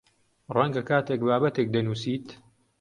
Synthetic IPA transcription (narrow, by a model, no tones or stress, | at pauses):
rɐŋɡɐkʰaːt̪eːkbaːbɐt̪ek̚d̪ɐnuːsiːt̪